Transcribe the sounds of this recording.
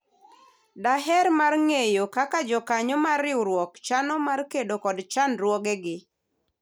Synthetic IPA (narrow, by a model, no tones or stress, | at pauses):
daɦɛɾmarŋejokakad͡ʒɔkaɲɔmarɪwɾwɔkt͡ʃanɔmarkedokɔdt͡ʃanɾwɔɡɛɡɪ